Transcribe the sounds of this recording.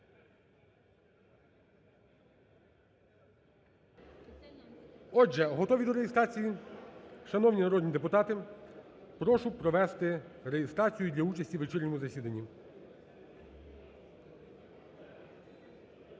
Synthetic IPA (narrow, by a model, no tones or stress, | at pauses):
ɔd͡ʒɛɦɔt̪ɔʋʲid̪ɔɾejest̪ɾɑt͡sʲiji | ʃɐnɔwnʲinɐɾɔd̪ʲnʲid̪epʊt̪ɑt̪ɪ | pɾɔʃʊpɾɔʋɛst̪ɪɾejest̪ɾɑt͡sʲijʊd̪lʲɐut͡ʃɐsʲtʲiʋet͡ʃɪrʲnʲɔmʊzɐsʲid̪ɐnʲːi